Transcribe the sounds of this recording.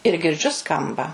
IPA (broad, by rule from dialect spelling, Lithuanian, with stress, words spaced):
ɪr ɡʲɪrʲˈd͡ʒʲʊ ˈskɐmbɐ